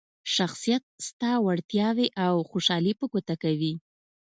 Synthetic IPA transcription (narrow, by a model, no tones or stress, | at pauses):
ʃaxsijat̪̚st̪ɑwaɽt̪jɑweʔawxoʃɑlipəkot̪akawi